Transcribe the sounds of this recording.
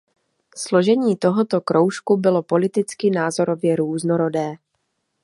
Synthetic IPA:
slo̞ʒɛɲiːt̪o̞ɦot̪o̞kɾo̞wʃkubɪlo̞po̞lɪt̪ɪt͡skɪnaːzo̞ɾo̞vjɛɾuːznoɾo̞dɛː

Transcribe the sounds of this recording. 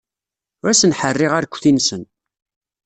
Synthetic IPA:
ʊɾæsənħərːɪʁaɾkʷːθinsən

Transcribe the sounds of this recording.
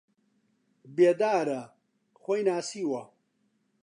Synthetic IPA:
beːd̪aːɾɐ | xʷojnaːsiːwɐ

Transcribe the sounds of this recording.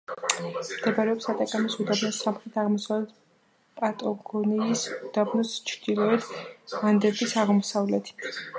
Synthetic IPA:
md̪̥ɛbaɾɛɔpsat̪ʼakʼamisud̪abnɔsamχɾɛt̪ʰaʁmɔsavlɛt̪̚ | pʼat̪ʼɔɡɔniːsud̪̥abnɔst͡ʃʰɾd̪̥ilˠɔɛd̪and̪ɛɾbisaʁmɔsavlɛt̪ʰi̥

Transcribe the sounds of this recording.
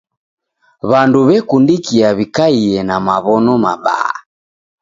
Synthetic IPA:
βanduβɛkundikiaβikaiɛnamaβɔnɔma̰ɓa̰a̰

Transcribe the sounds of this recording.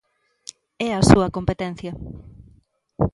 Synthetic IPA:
ɛɐsuɐkompet̪ɛn̟θjɐ

